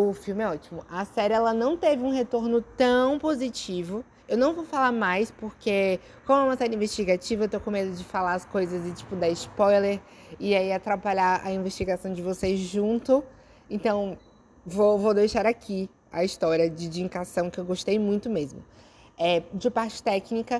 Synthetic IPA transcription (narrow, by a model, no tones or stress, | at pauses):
ʊfiwmɪɛɔt͡ʃimʊʔɐsɛɾɪɛlɐnɐ̃w̃t̪evɪũɦet̪oɾnʊt̪ɐ̃w̃pozit͡ʃivʊ | ewnɐ̃w̃vowfalaɾmajspoɾke | kõmʊɛũmɐsɛɾɪĩveʃt͡ʃiɡat͡ʃivɐewt̪owkõmed̪ʊd͡ʒɪfalaɐskojzɐzɪt͡ʃi̥pʊd̪aɪspɔjleɾɪaiat̪ɾapaʎaɐ̰ĩveʃt͡ʃiɡasɐ̃w̃d͡ʒɪvosezʒũnt̪ʊ | ẽnt̪ɐ̃w̃ | vovod̪ejʃaɾakʰi | ɐ̰ist̪ɔɾiɐd͡ʒɪd͡ʒĩkasɐ̃w̃kɪewɡoʃt̪ejmũj̃t̪ʊmezmʊ̰ | ɛd͡ʒɪpaɾt͡ʃɪ̥t̪ɛknikɐ